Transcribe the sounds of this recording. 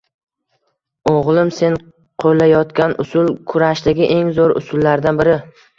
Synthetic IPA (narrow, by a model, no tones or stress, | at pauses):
oʁlˠɪmse̞n | qʰolːajɒt̪kʲanʊsʊlˠkʰʊɾaʃd̪aɡʲɪʔe̞ŋzoɾʊ̰sʊlːaɾd̪anbɪɾɪ